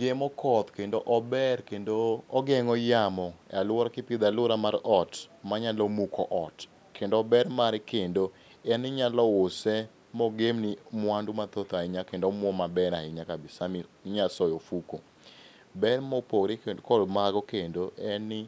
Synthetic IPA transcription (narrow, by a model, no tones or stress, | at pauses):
ɡemɔkʰɔt̪kendoʔɔbɛɾkendoɔɡɛŋɔjamɔalwɾkɪpid̪alʊɾamaɾɔtmaɲalɔmukʰɔʔɔt | kendoːbɛɾmaɾɪkendo | ɛnɪɲalɔʊsɛ | mɔɡemnɪmwandumat̪ot̪aɪɲakendomwɔmabɛɾaɪɲakabɪsamiɲasɔjofuko | bɛɾmɔpoɡɾɪkkɔdmaɡɔkendoʔɛnɪ